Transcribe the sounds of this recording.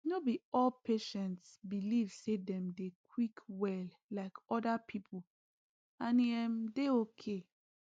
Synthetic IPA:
nobiɔlpʰeʃɛ̃ntsbilivsedɛ̃mdekʰwikwɛl | laɪkɔdapʰipʰl | ãnɛmdeokʰe

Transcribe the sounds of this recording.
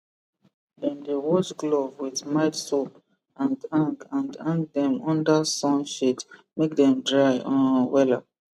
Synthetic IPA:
dɛ̃ndewɔt͡ʃɡlovwiðmaɪtsop | ʔãndãŋkãndãŋkdɛ̃mɔ̃ndasɔ̃nʃitmek̚dɛ̃mdɹajʔɔ̰̃nwɛlap̚

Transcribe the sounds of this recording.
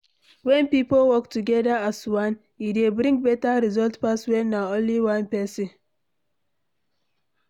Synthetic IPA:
wɛ̃npipowɔktuɡɛdaaswãn | idebɾĩŋɡ̚bɛtaɾizɔltpaswɛ̃nːaõnliwãnpɛsĩn

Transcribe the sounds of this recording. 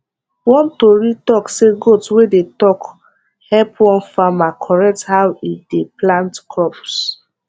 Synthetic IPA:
wɔ̃ntoɹitɔkseɡotwedetɔk | hɛpwɔ̃nfamakʰɔɹɛk̚thawideplãntkʰɹɔps

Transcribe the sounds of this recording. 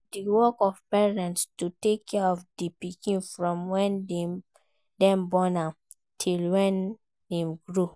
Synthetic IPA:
diwɔkɔvpɛɹɛ̃ntstutekʰːɛɔvdipikĩnfɹɔ̃mwɛ̃ndɛ | dɛ̃mbɔnam | tʰilwɛ̃n | dɛmɡɹu

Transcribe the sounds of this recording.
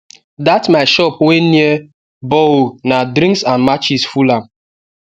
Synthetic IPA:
datmaɪʃɔpwenie | bonadɾĩŋksanmat͡ʃisfulam

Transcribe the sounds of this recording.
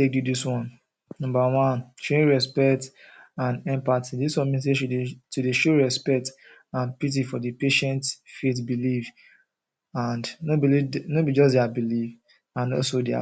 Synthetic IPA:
tek̚judiswɔ̃n | nɔ̃mbawɔ̃nt͡ʃɹẽɹɛspɛktãnɛ̃mpatidiswɔ̃nmĩns̬eudtudeʃoɹɛspɛk̚t | ãnpit̬ifɔdəpeʃɛ̃ntfetbiliv | ãndnobilinobid͡ʒɔs̬dɛabilif | ãnɔ̰lsodia̰

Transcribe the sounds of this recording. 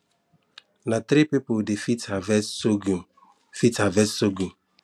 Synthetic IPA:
nat̪ɾipipodefitavɛoɡu | fithavɛssoɡu

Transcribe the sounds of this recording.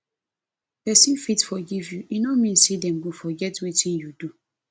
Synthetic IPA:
pɛsĩnfitfɔɡivjuʔinomĩnsidɛ̃mɡufɔɡɛtwitʰĩnjudu

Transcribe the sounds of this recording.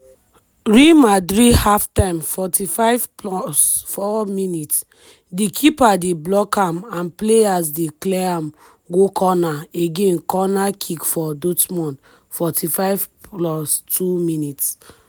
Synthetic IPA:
ɹimadɾihaftãmfɔtifaɪvplɔsfɔminits | dikʰipadeblɔkãmãnpleas̬deklɛãm | ɡokʰɔnaeɡẽnkɔnakʰikfɔdotmɔ̃n | fɔtʰifaɪvplɔstuminits

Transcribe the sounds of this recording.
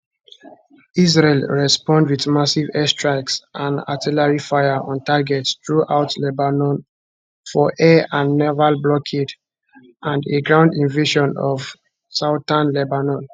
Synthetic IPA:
izɹelɹɛspɔ̃ndwiðmasivɛstɹaɪksʔãna̰tʰilaɹifaɪaʔɔ̃ntaɡɛtstɹuʔaʊtlɛbanɔ̃n | fɔʔɛãnːɛvalblɔkʰed | ʔãndeɡɹãʊ̃ndĩnveʃɔ̃nɔv | saʊtãnlɛbanɔ̃n

